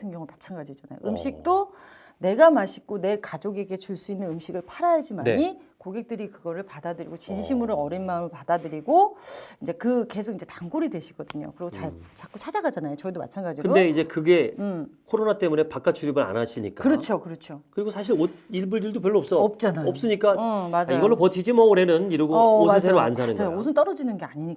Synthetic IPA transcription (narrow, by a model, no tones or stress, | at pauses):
enɡjʌŋumat͡ɕʰanɡad͡ʑid͡ʑana̰jo̰ʔɯmɕʰik̚t͈o | ne̞ɡamaɕʰi̥k͈one̞kad͡ʑoɡe̞ɡe̞t͡ɕuɭs͈uinːɯnɯmɕʰiɡɯɭpʰaɾajad͡ʑimaneɲi | koɡe̞k̚t͈ɯɾikɯɡʌɾɯɭpadadɯɾḭɡot͡ɕinɕʰimɯɾoʌɾinmaɯmɯɭpadadɯɾiɡoind͡ʑe̞kɯke̞sʰoɡinɲd͡ʑe̞taŋɡoɾidwe̞ɕʰiɡ̥ʌdɯɲo̰kɯɾiɡoat͡ɕak͈ut͡ɕʰad͡ʑaɡad͡ʑanajot͡ɕʌidoma̰t͡ɕʰanɡad͡ʑiɡkɯɡode̞id͡ʑe̞kɯɡe̞ɯkʰoɾonat͈e̞mune̞pak͈at͡ɕʰuɾibɯɾa̰naɕʰiɲik͈akɯɾʌt͡ɕʰokɯɾʌt͡ɕʰokɯɾiɡosʰaɕ̬ʰiɾot̚iɭbuɭd͡ʑiɭdop̬jʌɭːoːps͈ʌʌp̚t͡ɕ͈anajʌp̚s͈ɯɲik͈amad͡ʑiɡʌɭːopʌtʰid͡ʑimʌuɾe̞nɯniɾʌɡooeseɾoa̰nsʰanɯnjoosʰɯnt̬͈ʌɾʌd͡ʑinɯnɡe̞aɲiɲik͈